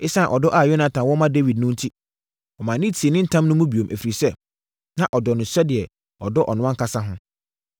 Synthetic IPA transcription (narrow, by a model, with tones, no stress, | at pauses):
ɪ˦sã˦˨ʔɔ˨dɔ˦ʔa˨jɔ˦nã˨tʰã˨wɔ˦mã˦de˦wi˨d̚nʊ̃˦n̩˦tʰi˦ | ɔ˨mã˨nɪ̃˦tʰi˨e˨nɪ̃˦n̩˦tʰã˦mnʊ̃˦mũ˦bi˨o˨mʔæ˨fi˨ɾi˨sɛ˦˨ | nã˨ʔɔ˨dɔ˨nʊ̃˨sɛ˦dɪ˨ɛ˨ | ɔ˨dɔ˦ʔɔ˨nʊ̃˦ã˦ŋ˦kʰa˦sa˦ɦʊ̃˦